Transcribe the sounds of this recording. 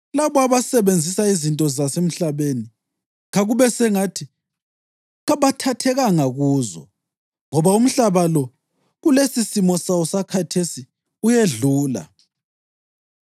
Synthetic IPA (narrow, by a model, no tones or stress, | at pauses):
laβɔaβasɛβend͡zʱisaizintʼɔzasem̩ɬaβeni | ɣaɣuβɛsɛŋatʰi | ɣaβatʰatʰɛɣaŋaɣuːzɔ̰ | ŋɔβaum̩ɬaβalɔ | ɣulesisimɔsausakʰatʰesi | ujeɮuːla̰